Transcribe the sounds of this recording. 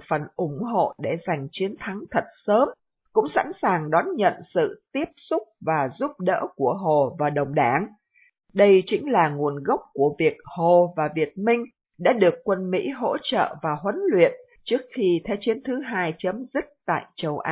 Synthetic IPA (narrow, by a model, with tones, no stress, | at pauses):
fə˨˩nʔʊ˧˩ŋ͡mɦo̰˧˨ɗe˧˩za˨˩jŋ̟t͡ɕi˨˦ənt̪ʰa˨˦ŋt̪ʰə˨˩t̚səː˨˦m | kʊ̰˧˥ŋ͡msa̰˧˥nsaː˨˩ŋɗɔ˨˦nɲə̰˧˨nsɨ̰˧˨t̪i˦˥əp̚sʊ˦˥k͡p̚vaː˨˩zu˦˥p̚ɗə̰ː˧˥ku˧˩əɦo˨˩vaː˨˩ɗə˨˩wŋ͡mɗaː˧˩˦ŋ | ɗə˧jt͡ɕï˨˦ŋ̟laː˨˩ŋu˨˩ənɣə˦˥wk͡p̚ku˧˩əvi˨˩ək̚ho˨˩vaː˨˩vi˨˩ət̚mï˧ŋ̟ | ɗa̰ː˧˥ɗɨ˨˩əkːwə˧nmḭ˧˥ɦo̰˧˥t͡ɕə̰ː˧˨vaː˨˩ɦwə˨˦nlwḭ˧˨ən | t͡ɕɨ˦˥ək̚xi˧t̪ʰɛ˨˧wt͡ɕi˨˦ənt̪ʰɨ˨˦ɦaː˧jt͡ɕə˨˦mzï˦˥k̚t̪a̰ː˧˨jt͡ɕə˧wʔaː˧˦